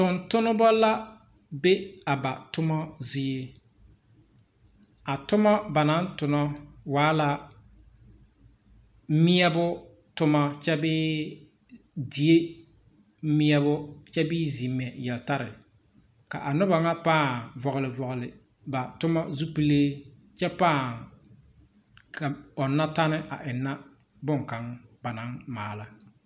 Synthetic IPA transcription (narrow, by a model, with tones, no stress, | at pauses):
tʊ˨ntʊ˦nʊ˦bɔ˦la˦ | be˦a˨ba̰˨tʊ˦mɔ˦zi˦e˦ | a˨tʊ˦mɔ˦ba˨na˦n˦tʊ˨nɔ˦waː˨˦la˦ | mɪ˦ɛ˦bʊ˦ | tʊ˦ma˦t͡ʃɛ˦bɪ˦ | di˨e˦ | mɪ˦ɛ˦βʊ˦t͡ʃɛ˦bɪ˦zi˨mːɛ˨jɛ˨lta˦ɾɪ˨ | ka̰˨ʔa˨nʊ˦ba˨ŋa˦paː˦˨vɔ˨ɣʊ˨lɪ˨vɔ˨ɣʊ˨lɪ˨ | ba˨tʊ˦ma˦zu˦pi˦le˦ | t͡ʃɛ˦paː˦˨ | ka˨ɔ˨nːa˦ta˦nɪ˦ʔa̰˨ʔɪ˨nːa˦ | bʊ˦ŋ˨ka˨˦ŋba˨na˨˦ŋmaː˨la˦